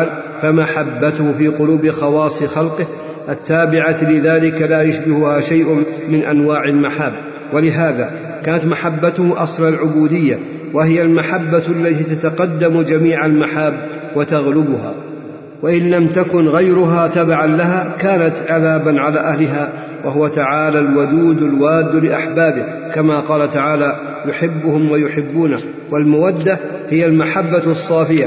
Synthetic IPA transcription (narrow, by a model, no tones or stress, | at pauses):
l | famaħabːat̪ʊhfiːqʊluːbxɑwɑːsˤixɑlqɨh | ʔat̪ːaːbɪʕalɪðaːlɪkalaːjʊʃbɪhʊhaːʃajʔʊmɪnʔanwaːʕalmaħabː | walɪɦaːðaː | kaːnat̪maħabːat̪ʊhʔɑ̰sˤlalʕʊbuːd̪ɪjːa | wahɪjalmaħabːalːat̪iːt̪at̪aqɑd̪ːamd͡ʒamiːʕalmaħaːbː | wat̪aɣlɪbʊha̰ː | waʔɪnlamt̪akʊnɣajɾʊɦat̪abaʕanlaɦaːkaːnat̪ʕaðaːbanʕalaːʔahlɪɦaː | waɦʊwat̪aʕaːlalwʊd̪uːd̪alwaːd̪ːlɪʔaħbaːbɪ | kamaqɑːlat̪aʕaːla | jʊħɪbːʊhʊmwajʊħɪbːuːnah | walmawad̪ːa | hɪjalmaħabːasˤːɑːfɪja